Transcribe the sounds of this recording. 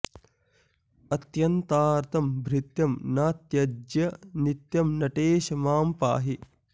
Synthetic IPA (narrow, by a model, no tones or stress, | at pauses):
ɐt̪jɐnt̪aːɾt̪ʰɐmbʱɾit̪jɐmnaːt̪jɐd͡ʒjɐnit̪jɐmnɐʈeːʃɐmaːmpa̰ːɦi